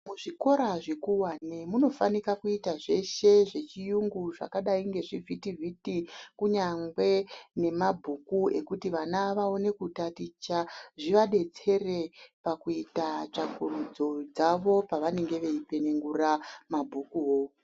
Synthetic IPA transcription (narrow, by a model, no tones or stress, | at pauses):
muʐiko̞ɾaʐekuwanemuno̞fanikakuitaʐe̞ʃe̞ʐe̞t͡ʃijuŋɡuʐa̰kaɗaiŋɡe̞ʐivʱitivʱitikuɲaŋɡwe̞ne̞mabʱukue̞kutiʋanaːʋaone̞kutatit͡ʃaʐiʋaɗe̞t͡se̞re̞pakuitat͡ʂakurud͡zo̞d͡zaʋo̞paʋane̞ŋɡe̞ʋe̞ipe̞neŋɡuramabʱukuɦoː